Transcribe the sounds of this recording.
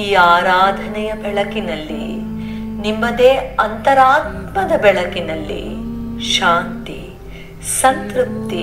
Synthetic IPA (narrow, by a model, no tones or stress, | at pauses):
iːaːɾaːd̪ʱɐnɛjɐbɛɭɐkinɐlːḭ | nimːɐd̪eːɐnt̪ɐɾaːt̪mɐd̪ɐbɛɭɐkinɐlːḭʃaːnt̪i | sɐnt̪ɾup̚t̪i